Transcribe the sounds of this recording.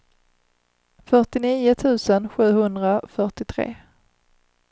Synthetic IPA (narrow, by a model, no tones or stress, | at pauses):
fœʈɪniːʊt̪ʰʉ̟ːsənɧʉ̟ːhɵnd̪ɾafœʈɪt̪ʰɾḛː